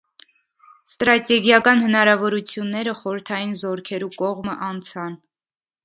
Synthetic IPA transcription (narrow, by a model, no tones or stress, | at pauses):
st̪ɾɑt̪ɛɡjɑkɑnhənɑɾɑvɔɾut͡sʰjunːɛɾəχɔɾəɾt̪ʰɑjinzɔɾkʰɛɾukɔʁməʔɑnt͡sʰɑn